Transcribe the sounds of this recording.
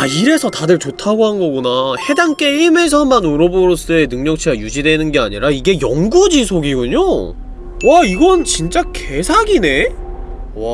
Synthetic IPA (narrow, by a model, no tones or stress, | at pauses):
aiɾe̞sʰʌtadɯɭt͡ɕotʰaɡoɦanɡʌɡunahe̞daŋk͈e̞ime̞sʰʌmːanoɾoboɾos͈ɯe̞nɯŋɲʌk̚t͡ɕʰeɡajud͡ʑidwe̞nɯnɡe̞a̰ɲiɾaiɡe̞jʌŋɡud͡ʑisʰoɡiɡuɲo | waiɡʌnt͡ɕint͡ɕ͈ake̞sʰaɡine̞ | a